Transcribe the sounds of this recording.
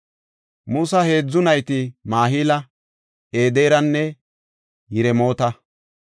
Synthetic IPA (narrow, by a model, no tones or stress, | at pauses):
musɐhe̞ːd͡zːʊnɐjt̪ɪmaːɦiːlɐ | e̞ːd̪e̞ːɾɐnːɛ | jɪɾɛmo̞ːt̪ɐ